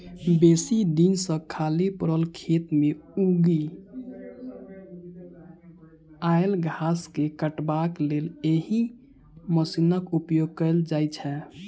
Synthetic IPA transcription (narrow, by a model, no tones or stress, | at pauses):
besid̪insə̃kʰalipəɾəlkʰet̪meuɡi | aelɡʱaskekəʈbakleleɦi | məsinəkupjoɡ̚kəɪld͡ʒajt͡ʃʰɛ